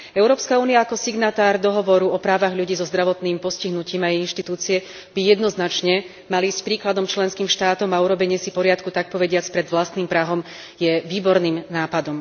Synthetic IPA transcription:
ɛʊɾɔːpskauːnijaːkɔsiɡnat̪aːɾd̪ɔɦɔʋɔɾuɔpɾaːʋaɣʎuɟiːzɔzd̪ɾaʋɔt̪niːmpɔsciɦnuciːmaɛinʃt̪it̪uːt͡siɛ | b̥ijɛd̪nɔznat͡ʃɲɛ | maliːscpɾiːklad̪ɔmt͡ʃlɛnskiːmʃt̪aːt̪ɔmauɾɔbɛɲɪɛsipɔɾɪat̪kut̪ak̚pɔʋɛɟɪat͡spɾɛd̪ʋlast̪niːmpɾaɦɔm | jɛʋiːbɔɾniːmnaːpad̪ɔm

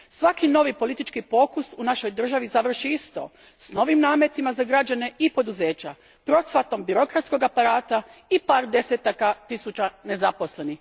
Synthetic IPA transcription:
sʋakino̞ʋipo̞lit̪it͡ʃkipo̞kusunaʃo̞jd̪r̩ʒaʋizaʋr̩ʃiist̪o̞̰ | sno̞ʋimnaːmjet̪imazaɡɾad͡ʒane̞ʔipo̞d̪uze̞ːt͡ɕa | pɾo̞sʋat̪o̞mbiɾo̞kɾat̪sko̞ɡapaɾaːt̪aipaːɾd̪e̞set̪akat̪isut͡ʃane̞zapo̞sle̞nix

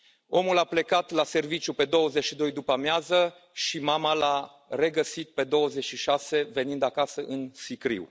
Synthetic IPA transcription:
o̞mulaple̞kat̪lase̞rvit͡ʃjupe̞d̪o̞wəzet͡ʃʃid̪o̞jd̪upəmjazə | ʃimamala | re̞ɡəsit̪̚pe̞d̪o̞wəze̞t͡ʃʃiʃase̞ve̞nind̪akasəʔɨnsikɾḭw

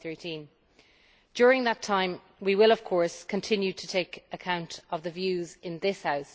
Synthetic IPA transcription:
θɜtʰĩn | d̥jɔːɹɪ̃ŋðətʰãɪ̃m | wiwɪləv̥kʰɔɹskʰə̃ntʰɪ̃njʉtʰətʰeɪkəkʰãʊ̃ntəvðəvjʉːzɪ̃nðɪshaʊs

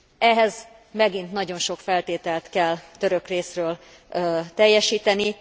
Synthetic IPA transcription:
ɛɦɛz | mɛɡint̪nɒɟo̞nʃo̞kfɛlt̪eːt̪ɛlt̪kɛlt̪ø̞ɾøkreːsrøːl | t̪ɛjːɛʃiːt̪ɛni

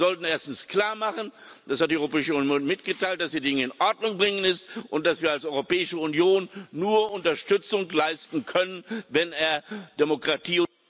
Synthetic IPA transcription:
zɔltn̩eːɐstn̩skl̥aːɐmaχənd̥ashat̚d̥iʔɔʏʁopɛːɪʃəunjoːnmɪtɡ̥ətaɪlt̚d̥asd̥iːdɪŋəɪnʔɔɐdnʊŋbʁɪŋənɪstʔʊnt̚d̥asv̥iːɐalsʔɔʏʁopɛːɪʃəʊnjoːnːuːɐʔʊntɐʃtʏt͡sʊŋklaɪstn̩kʰœnənvɛneːɐd̥emokʁ̥atʰiːʊ

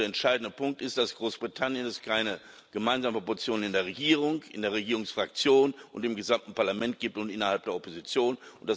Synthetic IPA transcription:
eɐɛntʃaɪdn̩dəpʰʊŋk̚tɪst̚d̥asɡ̥ʁoːsb̥ʁitʰanjənɛskʰaɪnə | ɡ̥əmaɪnzaːməpɔt͡sjoːnnɪndeːɐʁ̞eɡiːʁ̞ʊŋɪ̰ndeːɐʁ̞eɡiːʁʊŋsfʁ̥ak̚t͡sjoːnʔʊ̰ntdɪmɡəzamtn̩paɐlamɛnt̚ɡ̥iːp̚tʊntʔɪnɐhalp̚d̥eːɐɔpozit͡sjoːnʊntd̥as

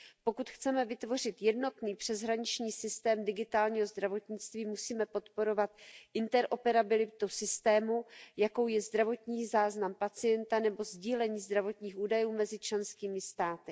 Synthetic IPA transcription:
po̞kut̪xt͡sɛmɛvɪt̪vo̞rɪt̪jɛdno̞t̪niːpr̥ɛzɦɾaɲɪt͡ʃɲiːsɪst̪ɛːmdɪɡɪt̪aːlɲiːɦo̞zd̪ɾavo̞t̪ɲɪt͡st̪viːmusiːmɛpo̞t̪po̞ɾo̞vat̪ʔɪnt̪ɛɾʔo̞pɛɾabɪlɪt̪usɪst̪ɛːmujako̞wjɛzd̪ɾavo̞t̪ɲiːzaːznampat͡sɪjɛnt̪anɛbo̞zɟiːlɛɲiːzd̪ɾavo̞t̪ɲiːxʔuːdajuːmɛzɪt͡ʃlɛnskiːmɪst̪aːt̪ɪ

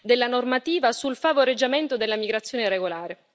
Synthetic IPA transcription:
d̪elːanormat̪iːvasulfavoɾed͡ʒːament̪od̪elːamiɡɾat̪sːjoːneɾeɡolaːɾe

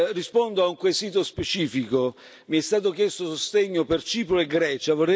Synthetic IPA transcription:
rːispond̪oauŋkwesiːt̪ospet͡ʃiːfiko | miɛst̪aːt̪ok̟jɛst̪osost̪eɲːopert͡ʃiːpɾoeɡɾɛːt͡ʃavorɛ

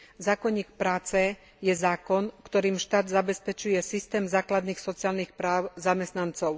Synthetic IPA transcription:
zaːkɔɲːiːk̚pɾaːt͡sɛ | jɛzaːkɔnkt̪ɔɾiːmʃt̪aːd̪zabɛspɛt͡ʃujɛsist̪ɛːmzaːklad̪niːxsɔt͡siɪaːlnixpɾaːʊzamɛst̪nant͡sɔʊ

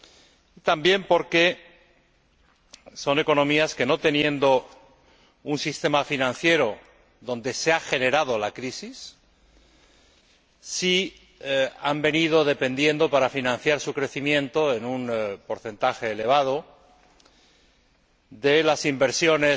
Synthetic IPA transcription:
it̪ambje̞mpo̞ɾke̞ | so̞ne̞ko̞nõ̞miaske̞no̞t̪e̞nje̞nd̪o̞ | unsist̪e̞mafinãnθje̞ɾo̞ | ðõ̞nd̪e̞seaxe̞ne̞ɾað̞o̞lakɾisis | i | ambe̞nið̞o̞ðe̞pe̞nd̪jẽ̞nd̪o̞paɾafinãnθjaɾsukɾe̞θimjẽ̞nt̪o̞e̞nunpo̞ɾθe̞nt̪axe̞ːle̞β̞að̞o̞ | ðe̞lasimbe̞ɾsjo̞ne

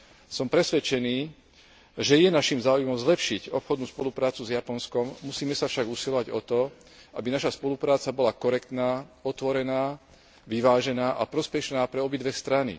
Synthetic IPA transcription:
sɔmpɾɛsʋɛt͡ʃɛniː | ʒɛjɛnaʃimzaːujmɔmzlɛpʃiɟɔpxɔd̪nuːspɔlupɾaːt͡suzjapɔnskɔmːusiːmɛsafʃaɡusilɔʋaɟɔt̪ɔ | ʔa̰binaʃaspɔlupɾaːt͡sabɔlakɔɾɛkt̪naːɔt̪ʋɔɾɛnaː | ʋiʋaːʒɛnaːʔapɾɔspɛʃnaːpɾɛɔbid̪ʋɛst̪ɾanḭ

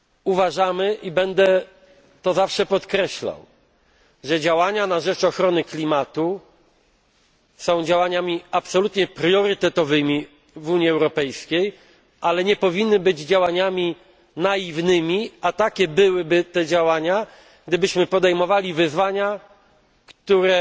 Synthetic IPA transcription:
uvaʐamɘʔibɛnd̪ɛ | t̪ɔzafʂɛpɔt̪kɾɛɕla̰w | ʐɛd͡ʑawaɲanaʐɛt͡ʂɔxɾɔnɘklʲimat̪u | sɔ̃w̃d͡ʑawaɲamʲiapsɔlut̪ɲɛpɾjɔɾɘt̪ɛt̪ɔvɘmʲi | vuɲiɛwɾɔpɛjskʲej | ʔalɛɲɛpɔvʲinːɘbɘd͡ʑd͡ʑawaɲamʲi | naivnɘmʲiʔat̪akʲɛbɘwɘbɘt̪ɛd͡ʑawaɲa | ɡ̚d̪ɘbɘɕmɘpɔd̪ɛjmɔvalʲivɘzvaɲa | kt̪uɾɛ

